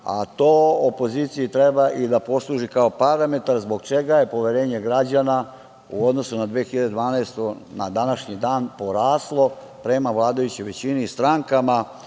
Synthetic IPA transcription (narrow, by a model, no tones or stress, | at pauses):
a̰t̪oːopo̞ziːt̪sijit̪ɾebaʔid̪apo̞slˠuːʒikao̞paɾame̞t̪aɾzbo̞ɡt͡ʃe̞ɡaje̞po̞ʋeɾe̞ːɲe̞ɡɾad͡ʑana | ṵod̪no̞sunad̪ʋeːxiʎad̪ed̪ʋaːnaest̪onad̪anaʃɲid̪aːnpo̞ɾaːslˠo̞ | pɾe̞maʋlˠaːd̪ajut͡ɕojʋe̞t͡ɕiniːst̪ɾaŋkama